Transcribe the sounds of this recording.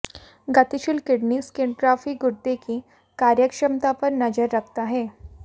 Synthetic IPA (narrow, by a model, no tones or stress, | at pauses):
ɡat̪iɕilkɪɽniskɪɳɖʈɾafikɡuɽt̪ekiː | kaɾjəkʂəmt̪apəɾnɐd͡ʒəɾːək̚ʰt̪aɦɛː